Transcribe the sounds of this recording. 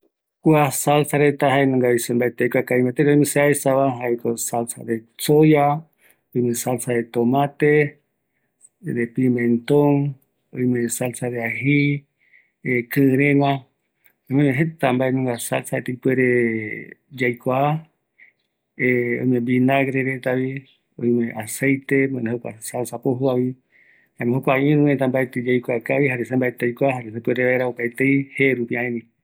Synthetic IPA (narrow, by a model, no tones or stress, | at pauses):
kuasalsaɾet̪aɦaenõŋɡaisembaet̪ejkʷakaĩmãt̪eɾeojmẽseaesaβaɦaekosalsa̰ɾesoja | ojmẽsalsaɾet̪omãt̪e | ɾepimẽnt̪oŋ | õjmẽsalsaɾeaɦi | ekɨɾẽmã | ojmemẽɦet̪ambaemõŋɡasa̰lsaet̪ejpweɾe | d͡ʒajkʷa | eõ̰j̃mẽmbinaɡɾeɾet̪aβi | õj̃mẽʔasejt̪e̞mõneɦokʷa̰salsapoɦuaβi | ãmẽɦokʷaĩɾũet̪ambaet̪ed͡ʒajkʷakaβihaɾesembaet̪ejkʷaɦaɾesepweɾeβaeɾaopaet̪ejheɾupiãẽnĩ